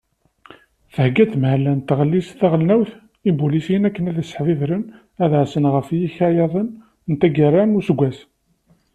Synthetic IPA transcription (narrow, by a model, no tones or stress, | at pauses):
θəhɡæt̪məʕlænt̪ːʁəlːisθæʁəlnæwθ | ibulisiənækːənæðæsə̥ħvivɾən | æðʕsənʁəfjiçæjɑðˤən | nt̪æɡəɾːænʊsəɡʷːæs